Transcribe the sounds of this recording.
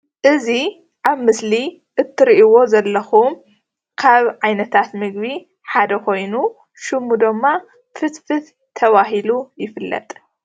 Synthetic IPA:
ʔɨzi | ʔaβmɨsli | ʔɨt̪ʰːɨɾiʔiwo̞zɐlːɐxum | kʰaβʕajnɐt̪ʰat̪mɨɡβi | ħad̪ɐkʰo̞jnu | ʃɨmud̪ɨmːa | fɨt̪fɨt̪ | t̪ʰɐβaɦilujɪfɨlːɐ̰t̪ʼ

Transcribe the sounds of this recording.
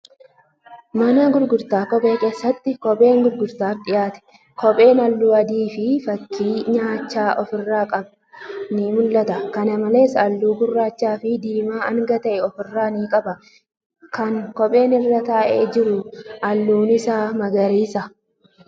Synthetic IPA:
mɐnɐɡʊɾɡʊɾt̪aːkɔpʼe̞ːke̞ːsːɐt̪ːɪkɔpʼe̞ːŋɡʊɾɡʊɾt̪aːɾᶑ̪ɪjaːt̪ɛ̥ | kɔpʼe̞ːnɐlːuːɐd̪iːfɪfɐkʰːiːɲaːt͡ʃːaːʔɔfɪrːaːkʼɐb | nɪmʊlːɐt̪ɐkɐnɐmɐle̞ːsɐlːuːɡʊrːaːt͡ʃːaːfɪd̪iːmaːɐŋɡɐt̪ɐʔɛɔfɪrːaːniːkʼɐbɐ | kɐŋkɔpʼe̞ːnɪrːɐt̪ɐʔeːd͡ʒɪɾʊʔɐlːuːnɪsaːmɐɡɐɾiːsɐ

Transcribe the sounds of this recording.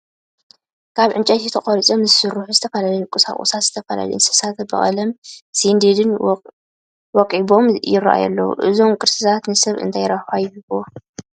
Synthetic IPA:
kʰaβʕɨnt͡ʃʼɐt̪it̪ʰɐχʼoɾit͡sʼomzɨsɨɾuħuzɨt̪ʰɐfɐlalɐjukʼɨsa̰χʼṵsat̪z̥ɨt̪ʰɐfɐla̰lḭɨnsɨ̥sat̪bɐ̰χʼɐ̰lɐmsind̪ed̪ɨn | wɔkʼibo̞mjɪraʔa̰jɐ̰lːɐ̰wṵʔɨzo̞mkʼɨɾsɨtʰat̪nɨsɐβɨ̰nt̪ʰajɾafajɪhɨβo

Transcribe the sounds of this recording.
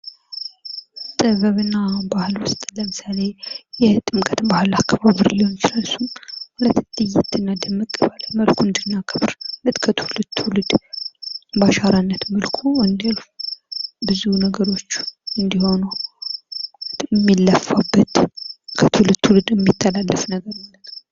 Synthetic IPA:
t̪ʼɨβəβɨnːabahɨlwʊst̪ʼləmɨsale̞jɛt̪ʼɨmkʼət̪bahɨlakʰːaβaβɨɾɨliho̞nt͡ʃɪlalsumhulət̪ːd̪ɨjɪt̪ʰːɨnːad̪əmːɨkʼɨβalməlkuɨnd̪ɨnːakʰʼɨβɾlət̪kʰət̪ʰlɨt̪ʰːhulɨd̪ | baʃaɾanːət̪məlkʰuɨnd̪alf | bɨzunəɡəɾo̞t͡ʃːɨnd̪iho̞nu | mːilːəfːabːət̪kʰət̪ʰɨlɨt̪ʰːulɨd̪ɨmːit̪ʰːəlalːəfnəɡəɾmalːət̪

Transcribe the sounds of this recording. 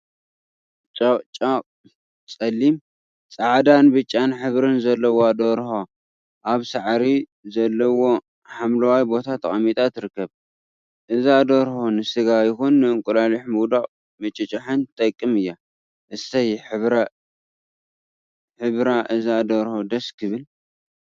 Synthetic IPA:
t͡ʃʼat͡ʃʼaqʼ | t͡sʼɐlːim | t͡sʼaʕd̪anbɨt͡ʃʼːanħɨβɾɨnzɐlːɐwoad̪oɾho | ʔaβsaʕɾi | zɐlːɐwo̞ | ħamlɐwajbo̞t̪ʰat̪ʰɐχʼɐmit̪ʼʰat̪ʰɨɾɨkːɐβ | ʔɨzad̪oɾhonɨsɨɡajɪxunːɨɨŋkʼʊlaliħmuwd̪aχʼ | mɐt͡ʃʼɐt͡ʃʼɐħɨnt̪ʰʼɐkʼːɨmɨjːa | ʔɨsɐjħɨβa | ħɨβɾaʔɨzad̪oɾhod̪ɐskʰɨβɨl

